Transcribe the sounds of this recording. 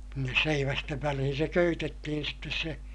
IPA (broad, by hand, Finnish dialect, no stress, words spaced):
sinːes seiʋæsteʋ ʋælihin̞ se køytetːihin sitːes se